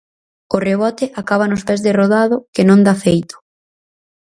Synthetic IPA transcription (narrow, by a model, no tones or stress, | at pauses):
ʊreβ̞ɔt̪ɪʔakaβ̞anʊspɛzðeroðaðʊkɪnõŋd̪afejt̪ʊ̥